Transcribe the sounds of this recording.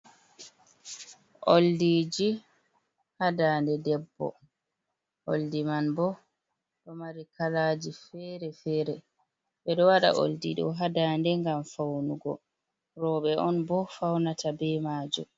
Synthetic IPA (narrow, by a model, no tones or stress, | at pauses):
ʔoldid͡ʒi | hadaːndɛdɛbːɔ̰ | ʔoldimanbɔ | ɗɔmaɾikalad͡ʒifɛɾɛfɛːɾɛ | ɓɛɗɔwaɗa̰ʔo̰ldiɗɔ̰ɦadaːndɛŋɡamfawnuɡɔ̰ | ɾɔɓɛʔɔnbɔfawnatʰabɛmaːd͡ʒɔ̰